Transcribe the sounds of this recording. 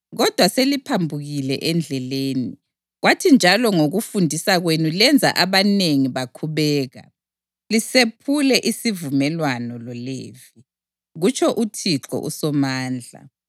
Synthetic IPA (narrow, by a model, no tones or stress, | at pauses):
ɣɔd̥ʱwaselipʰambʱuɣilɛ̰ʔɛnd͡ɮʱɛleːni | ɣwatʰind͡ʒʱalɔŋoɣufundʱisaɣwenulɛnd͡zʱa̰ʔaβaneŋiβakʰuβɛːɣa̰ | lisepʰulɛʔisivumɛlwanɔlɔleːvi | ɣut͡ʃʰɔʔutʰiǁɔ̰ʔṵsɔmaːnd͡ɮʱa̰